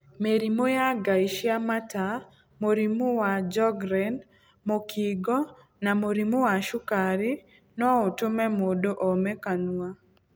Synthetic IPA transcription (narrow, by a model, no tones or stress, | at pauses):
meɾimojaɡaiʃjamata | moɾimʊwad͡ʒɔɡɾɛn | mokʰiɡɔ | namoɾimowaʃukaɾɪ | nɔotʊmɛmodoʔɔmɛkanua